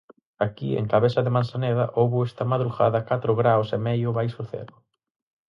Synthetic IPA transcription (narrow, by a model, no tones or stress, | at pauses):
akiḛŋkaβeθɐðɪmãnsaneðɐʔowβʊest̪ɐmaðɾuɣa̰ðɐkat̪ɾʊɣɾawsɛmɛjʊβajsfoɾθḛlʊ